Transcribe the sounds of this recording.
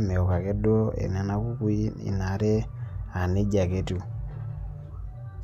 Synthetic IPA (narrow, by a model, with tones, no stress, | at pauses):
mɛ˨o˨ka˨ke˦dwo˦ḛ˨na˨na˦ku˦ku˦i˦ḭ˨na˨˦ɾe˦a˨ne˦ɟa˨ke˨tu˦